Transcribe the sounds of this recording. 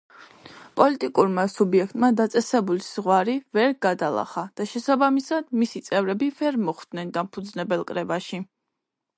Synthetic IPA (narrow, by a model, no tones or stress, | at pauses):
pʼɔlit̪ʼikʼuɾmasubiɛk̚ʰt̪ʼmad̪at̪sʼɛsɛbuliz̥ʁwaɾivɛɾɡad̪alˠa̰χad̪̥aʃɛsabamisad̪misit̪sʼɛvɾɛbivɛɾmɔχd̪̥nɛnd̪ampʰud̪znɛbɛlˠkʼɾɛbaʃi